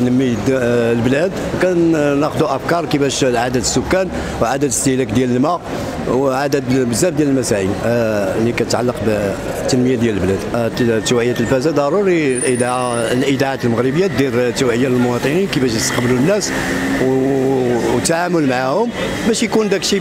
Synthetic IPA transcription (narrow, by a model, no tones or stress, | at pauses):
nəmːid̪lblæd̪wkænæxd̪uʔəfkɑɾˤkibæʃʕad̪æt̪əsːʊkːæn | wʕad̪æt̪əst̪əhlækd̪jæləlmæ | wʕad̪æd̪bəzːæbd̪jæləlmæsæʕinlikænət̪ʕalːəqb | t̪ːənməjad̪jæləlblæd̪t̪ːæwʕəjːæt̪lbæzæd̪ɑɾˤuɾilʔəd̪lʔəd̪aʕat̪lməɣɾəbəjːad̪iɾt̪ːæwʕəjːaləlmʊwɑt̪ˤəninkibæʃ̬jəst̪ə̥qbəlunːæs | w | t̪ːaʕamʊlmaʕahʊm | bæʃjkund̪ækʃi